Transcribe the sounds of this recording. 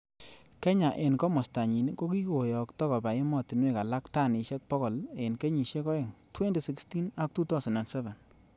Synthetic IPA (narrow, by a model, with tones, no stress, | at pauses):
kɛ˦ɲa˨ʔe˨nkɔ˦mɔ˨sta˨ɲi˨ni˦ko˦ki˦ko˨jɔ˨ktɔ˦ka˨ba˨e˦mɔ˦ti˨nwe˦ka˨la˦kta˦˨ni˨˧ʃɛ˦k̚pɔ˦kɔ˨le˨nke˦ɲi˨ʃe˦kɔ˦e˨ŋtʰwɛ˦ndi˨si˦ksti˦na˦k̚tu˦ta˦sɔ˨na˨nsɛ˦vɛ˨n